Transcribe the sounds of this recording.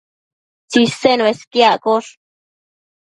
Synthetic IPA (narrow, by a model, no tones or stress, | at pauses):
t͡sisenweskjaʔkoʂ